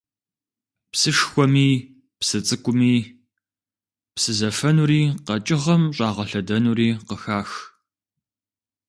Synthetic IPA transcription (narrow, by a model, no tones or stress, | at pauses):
psɨʂxʷɔmiː | psɨt͡sʼɨkʷʼʊmiː | psɨzɐfɐnuːɾiːqɐt͡ʃʼɪʁɐmɕʼɑːʁɐɬɐdɐnuːɾiːqəxaːx